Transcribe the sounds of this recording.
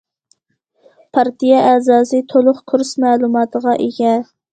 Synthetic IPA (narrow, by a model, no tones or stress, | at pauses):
pʰɑɾt̪ijɛʔɛːzɑːsɨt̪ʰolˠʊχkʰuɾsmɛːlˠumɑːt̪ʰəʁɑʔeɡʲɛ